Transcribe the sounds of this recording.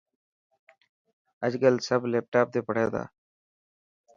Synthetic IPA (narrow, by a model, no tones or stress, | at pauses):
əd͡ʒɡəlsəbleːp̚ʈaːp̚t̪eːpəɽ̤eːd̪a̰ː